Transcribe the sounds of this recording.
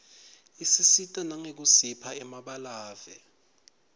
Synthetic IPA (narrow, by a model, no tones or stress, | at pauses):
isisitʼɔnaŋek̬usipʰaɛmaɓalaːvɛ